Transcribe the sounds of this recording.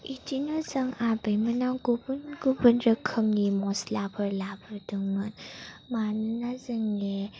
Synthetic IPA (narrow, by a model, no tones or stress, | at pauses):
itʰinɔzaŋabɯjmɯnawɡubunɡubɯnɾəkʰɯmnimɔslabɯɾlabɯɾdɯŋmɯnmanɯnazəŋe